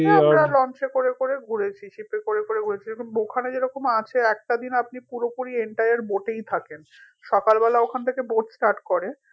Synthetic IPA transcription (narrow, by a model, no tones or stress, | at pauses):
amɾalɔnt͡ɕekoɾekoɾeɡʱuɽet͡ɕʰiʃipekoɾekoɾeɡʱuɽet͡ɕʰiekʰunbokʰaned͡ʑeɾɔkomat͡ɕʰeɛk̚ʈad̪inap̚nipuɾopuɾieɳʈajaɾboʈejt̪ʰaken | ʃɔkalbɛlaokʰant̪ʰekeboʈsʈaɾʈkɔɾe